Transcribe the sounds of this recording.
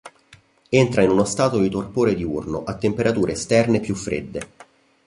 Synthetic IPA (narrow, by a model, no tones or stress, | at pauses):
ent̪ɾainunost̪aːt̪od̪it̪orpoːɾed̪iurnoʔat̪ːempeɾat̪uːɾeːst̪ɛrnepjufːɾḛd̪ːe